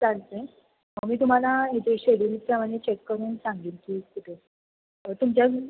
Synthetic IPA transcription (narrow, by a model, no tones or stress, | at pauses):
d͡zaŋt̪ẽ | əmiːt̪um̤alaɦet̪eɕeɽiːnpɾəmaɽ̃et͡ɕekːəɾuːnsãŋɡiːlkiːkiʈ̪ʰe | t̪umt͡ɕja